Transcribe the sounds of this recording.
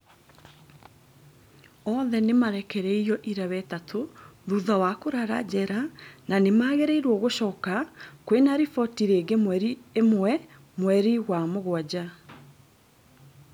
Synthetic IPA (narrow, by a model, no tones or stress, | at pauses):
ɔðɛnemaɾɛkɛɾɛijɔʔiɾawɛtatʰoðuðawakoɾaɾa̰d͡ʑɛɾananemaːɣeɾeiɾwɔɣoɕɔːkakwenaɾifɔtiɾeːɡemwɛɾiemwɛ | mwɛɾiɣwamoɣwad͡ʑa